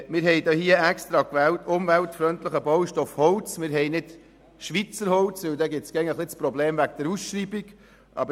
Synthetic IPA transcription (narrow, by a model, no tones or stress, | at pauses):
mɪːɾɦɛjd̪ɔhiəɛkstɾɑkʋɛːltʊmvæltfɾœntləχəbɔwʃtɔfhɔlt͡smɪːɾɦɛɪnɪt | ʃʋit͡səɾhɔwt͡sʋɪld̪ɛɡɪtsɡ̥ɛŋəχlɪt͡spɾɔbleːmʋæk̚d̥̪əɾusʃɾiːbiɡ | ʔɑ̰bə